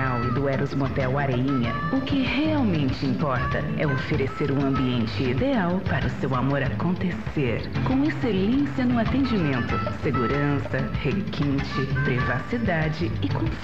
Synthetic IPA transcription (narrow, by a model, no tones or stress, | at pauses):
awɪd̪ʊɛɾʊzmot̪ɛwaɾeĩɲɐ | ʊkɪheawmẽnt͡ʃɪĩmpɔɾt̪ɐɛofeɾeseɾũɐ̃mbiẽnt͡ʃɪid̪eawpaɾɐʊsewamoɾakõnt̪eseɾkõw̃eselẽsjɐnʊ̃at̪ẽnd͡ʒimẽnt̪ʊseɡuɾɐ̃sɐhekʰĩnt͡ʃɪpɾivasid̪ad͡ʒɪɪkõ